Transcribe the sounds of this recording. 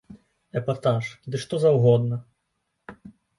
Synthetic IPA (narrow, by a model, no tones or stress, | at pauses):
ɛpat̪aʂd̪ɨʂt̪ɔzɐwɣɔd̪nɐ